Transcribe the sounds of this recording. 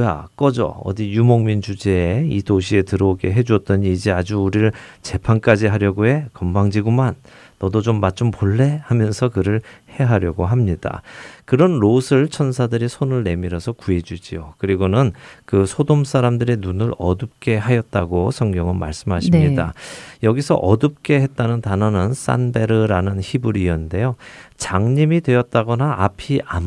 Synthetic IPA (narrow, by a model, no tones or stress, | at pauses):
ja̰k͈ʌd͡ʑʌ̰ʌ̰dijumoŋmint͡ɕud͡ʑe̞ːitoɕʰie̞tɯɾʌɡe̞ɦe̞d͡ʑuʌt̚t͈ʌɲiːd͡ʑead͡ʑuːɾiɾɯɭt͡ɕe̞pʰank͈ad͡ʑiɦaɾjʌɡoɦe̞kʌmbaŋd͡ʑiɡumanː | ʌdot͡ɕomːat͡ɕ͈ompoɭːe̞hamjʌnsʰʌkɯɾɯɭhe̞ɦaɾjʌɡoɦamɲida̰kɯɾʌnɾosʰɯɭt͡ɕʰʌnsʰadɯɾisʰonɯɭne̞miɾʌsʰʌkue̞d͡ʑud͡ʑiokɯɾiɡonɯnkɯsʰodoms͈ʰaɾamdɯɾenunɯɾʌ̰dɯp̚k͈e̞ɦajʌt̚t͈aɡosʰʌŋɡjʌŋɯnma̰ɭs͈ɯmɦaɕʰimɲidajʌɡisʰʌ̰ʔʌdɯp̚k͈e̞he̞t̚t͈anɯntanʌnɯns͈a̰nbe̞ɾɯɾanɯnçibɯɾiʌnde̞jot͡ɕaŋɲimidwe̞ʌt̚t͈aɡʌnaapʰiʔam